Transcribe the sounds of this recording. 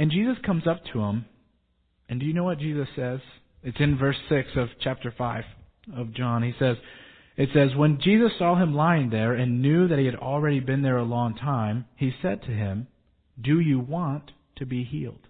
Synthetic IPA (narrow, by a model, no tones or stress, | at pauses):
ɨ̃nd͡ʒizɨskʰʌ̃mzʌp̚tʰəɪ̃m | ɨ̃ndɨjɨnoʊwʌt̚d̥ʒ̥izɨsɛz̥ | ɨtsɨ̃nvɜ˞sɪksʌv̥t͡ʃʰæp̚tə˞faɪv̥ | ʌvd͡ʒɑ̃nisɛz | ɨtsɛzwə̃nd͡ʒizɨsɔɨ̃mlaɪɪ̃ŋðə˞ɨ̃nːjʉðɨt̚hiɨɾl̩ˠɹɛɾibɨ̃nðə˞əlɔ̃ŋtʰãɪ̃misɛd̚tʰɨɪ̃m | dɨjɨwɑ̃ntʰɨbiɦḭlˠd̥